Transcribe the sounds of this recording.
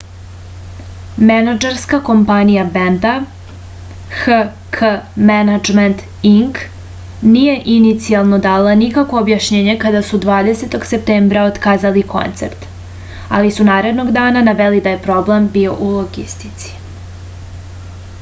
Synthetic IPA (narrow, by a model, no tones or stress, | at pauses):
menad͡ʒeɾskako̞mpanijabend̪a | xə | kʰəmenad͡ʒment̪ | iŋk | nije̞ʔinit̪sialˠno̞d̪aːlanikakʋo̞ːbjaʃɲeːɲe̞kad̪asud̪ʋaːd̪ese̞t̪o̞ɡse̞p̚t̪eːmbɾaot̪kaːzalikʰo̞̰nt̪seɾt̪ | a̰lisunaːɾe̞d̪no̞ɡd̪aːnanaʋelid̪aje̞pɾo̞ble̞mbio̞ʔulˠoɡḭst̪i̥t̪si̥